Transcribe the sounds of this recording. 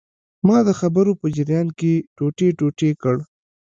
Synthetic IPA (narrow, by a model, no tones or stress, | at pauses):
mɑd̪əxabəɾopəd͡ʒɪɾjɑnkeʈoʈeʈoʈekəɽ